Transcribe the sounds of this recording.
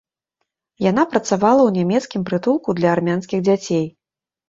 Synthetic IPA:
jan̪apɾɐt̪savalˠɐwnʲamʲɛt̪skʲimpɾɨt̪ulˠkud̪lʲɐːrmʲanskʲiɣd͡zʲat͡sʲej

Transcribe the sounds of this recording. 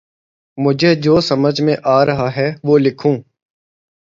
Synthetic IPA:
mʊd͡ʒʱeːd͡ʒoːsəməd͡ʒʱmẽʔaːɾəɦaːɦɛːʋoːlɪkʰũː

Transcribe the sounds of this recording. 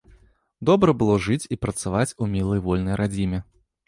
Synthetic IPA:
d̪ɔbɾɐbɨlˠɔʐɨt͡sʲipɾɐt̪savat͡sʲumʲilˠɐjvɔlʲnɐjɾʔad͡zʲimʲɛ

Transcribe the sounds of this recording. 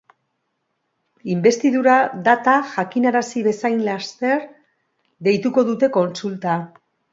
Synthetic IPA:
imbe̞st̪iðuɾad̪at̪aʝakinaɾasiβe̞sajnlast̪e̞ɾ | ðe̞jt̪uko̞ðut̪e̞ko̞nsult̪a

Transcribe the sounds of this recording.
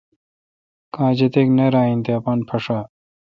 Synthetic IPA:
kãːd͡ʑɐt̪eːknɐɾaːint̪eɐpaːnpʰɐʂaː

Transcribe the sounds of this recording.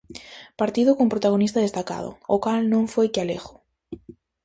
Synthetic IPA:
paɾt̪iðʊkompɾot̪aɣ̞onist̪að̞est̪aka̰ðʊ̰okalnõŋfojkɪaleɣʊ̥

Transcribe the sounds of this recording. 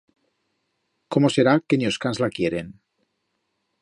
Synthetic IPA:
ko̞mo̞se̞ɾakeɲoskanzlakje̞ɾe̞n

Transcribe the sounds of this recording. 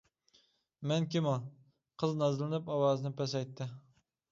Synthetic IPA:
mɛnkʲɪmɑ | qʰɨznɑzlˠɪnɪpɑwɑːzɨnɪpɛs̬ɛjt̪ʰːɪ

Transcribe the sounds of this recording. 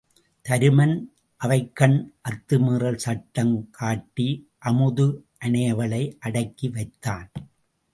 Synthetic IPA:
t̪ɐɾɯmɐn | ʔɐʋɐɪkːɐnʔɐt̪ːɯmɯːrɐlsɐʈːɐmkʰaːʈːi | ʔɐmɯðɯʔɐɳɐjɐʋɐɭɐɪʔɐɽɐɪkːiʋɐɪt̪ːaːn

